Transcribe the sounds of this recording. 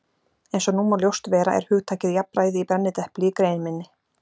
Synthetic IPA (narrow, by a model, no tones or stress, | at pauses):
ejnsɔnuːmaljowst̪vɛːɾa̰ʔɛ̰ɾ̥hʏːɣt̪ʰaːcɪðjapɾaːjðɪipɛɾnːɪt̪ɛhplɪkɾeːjnmɪnːɪ